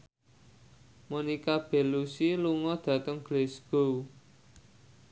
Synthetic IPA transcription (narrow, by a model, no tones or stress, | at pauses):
monikab̥e̤lusiluŋɔd̪̥ä̤t̪əŋɡ̥lesɡ̥ow